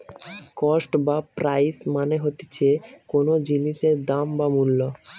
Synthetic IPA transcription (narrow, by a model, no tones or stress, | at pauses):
kɔsʈbapɾajsmaneɦot̪e̥t͡ɕʰekonod͡ʑiniʃeɾd̪ambamulːo